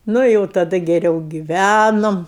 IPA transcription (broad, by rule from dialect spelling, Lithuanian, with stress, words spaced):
nʊ ɪ ˈjɛʊ tɐˈdɐ ɡʲɛˈrʲɛʊ ɡʲɪˈʋʲænoːm